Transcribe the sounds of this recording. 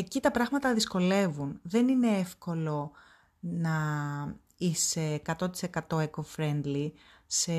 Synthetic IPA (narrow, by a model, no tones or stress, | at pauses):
ecit̪ɐpɾɐɣmɐt̪ɐðisko̞le̞vunðe̞nine̞efko̞lo̞ | nɐ | ise̞ːkɐt̪o̞t̪i̥se̞kɐt̪o̞ekofɾe̞nd̪li | se